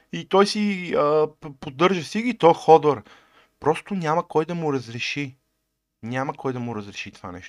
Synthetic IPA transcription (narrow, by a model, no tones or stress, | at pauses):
it̪ɔjsiəpod̪ɤɾʒəsiɡit̪ɔjxɔd̪ɐɾ | pɾɔst̪ʊnʲamɐkɔjd̪ɐmʊɾɐzɾɛʃi | nʲamɐkɔjd̪ɐmʊɾɐzɾɛʃit̪ova̰nɛ̰ʃt̪ʊ